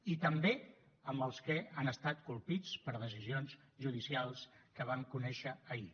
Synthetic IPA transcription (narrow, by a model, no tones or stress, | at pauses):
it̪əmbe | əmbəlˠskɛanəst̪at̪kulˠpit͡spəɾð̞əs̬izionz | ʒuðisialˠskəβ̞aŋkunɛʃəːi